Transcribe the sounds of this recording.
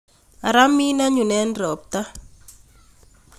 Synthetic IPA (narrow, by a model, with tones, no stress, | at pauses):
a˨ɾa˦mi˦na˦ɲu˨nɛ˦nɾɔ˨p̚t̪a˦